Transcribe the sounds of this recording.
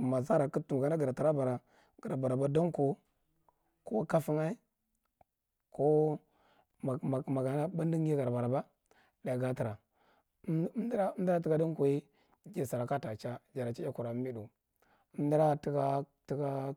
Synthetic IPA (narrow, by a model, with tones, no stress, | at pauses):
ma˨za˦ɾa˨ku˦tu˨ŋɡa˨na˦ɡi˨ɾa˨ta˨ɾa˦ba˨ɾa˨ | ɡ̥a˨ɾa˨ba˨ɾa˨ba˦da˦ŋ˦ko˨ | ko˦ka˦fi˦ŋa˦i˦ | ko˦˨ | ma˨ɡa˨na˦ba˦n˦di˦ŋ˦i˦ɡa˨ɾba˨ɾa˨ba˦ | da˨ɡa˦ti˨ɾa˨˦ | mdɾa˦m˦da˦ti˦ɡa˦di˦ŋ˦ko˨i˦ | d͡ʒe˨sa˨ɾa˨ka˦ta˨t͡ʃa˦d͡ʒa˨ɾa˨t͡ʃi˦ja˦ku˨ɾa˨˦mi˦du˨˦ | m˦di˦ɾa˦ti˦ka˦ | ti˦ɡa˦